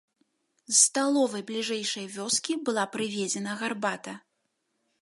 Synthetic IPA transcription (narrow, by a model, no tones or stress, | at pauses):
sːt̪alˠɔvɐjblʲiʐɛjʂɐjvʲɔskʲibɨlˠapɾɨvʲɛd͡zʲɛnɐɣarbat̪ɐ